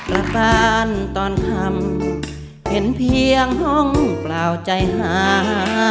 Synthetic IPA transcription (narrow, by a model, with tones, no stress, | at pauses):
pɾa˧kaː˧nt̪ɔː˧˩nkʰa˧˥˩m | he˨˦npʰi˧əŋhɔ˧˥˩ŋplaː˨˧˩wt͡ɕa˧jɦaː˨˩˦ɦaː˨˧˦